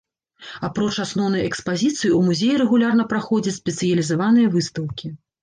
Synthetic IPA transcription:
apɾɔt͡ʂasnɔwnɐjɛkspazʲit̪sɨjiumuzʲejiɾɛɣulʲarnɐpɾaxɔd͡zʲɐt͡sʲsʲpʲɛt̪sɨjɐlʲizavanɨjɐvɨst̪ɐwkʲi

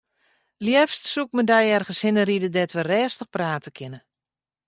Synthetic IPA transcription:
ljɛfstsuk̚mədɛjɛrɣənshɪnəridədɛtʋərɛːstəxpraːtəkʰɪnə

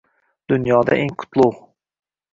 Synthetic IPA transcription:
d̪̥ʊnjɒd̪a̰ʔeŋkʰʊ̥t̪ʰlˠʊw

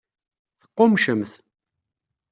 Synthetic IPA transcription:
θə̥qːʊmʃəmθ

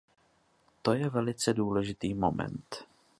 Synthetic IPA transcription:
t̪o̞jɛvɛlɪt͡sɛduːlɛʒɪt̪iːmo̞̰mɛ̰nt̪

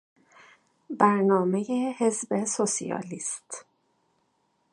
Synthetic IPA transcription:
bæɾnɒːme̞jehe̞zbe̞sosḭjɒ̰ːliːst̪

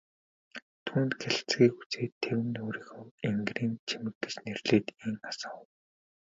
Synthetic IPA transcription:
t̪ʰunt̪ɡeɮ̆t͡sɡiːku̥t͡seːt̪ʰːewɘ̆noːɾĭxʊweŋɡriːnt͡ɕʰimɘ̆t̪ːɘ̆t͡ɕnerɮeːt̪iŋasə̆ŋ

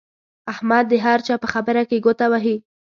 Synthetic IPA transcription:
ahmad̪ːəɦaɾt͡ʃɑpəxabəɾakeɡot̪awaɦi

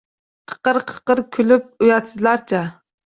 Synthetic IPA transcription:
qʰə̥qəɾqʰə̥qəɾkʲʰylyp̚ujɑt̪sɨzlˠɑɾt͡ʃʰɛ

